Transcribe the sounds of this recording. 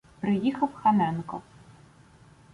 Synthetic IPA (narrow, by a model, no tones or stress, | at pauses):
pɾɨjixɐwxamɛnkɔ